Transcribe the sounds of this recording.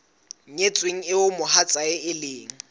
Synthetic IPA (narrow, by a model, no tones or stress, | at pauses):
ɲet͡sʼweŋ̩ɪʊmʊhat͡sʼaɪɪleːŋ̩